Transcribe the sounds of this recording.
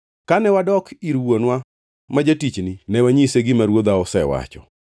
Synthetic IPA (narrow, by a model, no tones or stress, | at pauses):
kanɛwadɔkʰiɾwonwa | mad͡ʒatit͡ʃnɪnɛwaɲiseɡɪmaɾwod̪aɔsɛwa̰t͡ʃɔ̰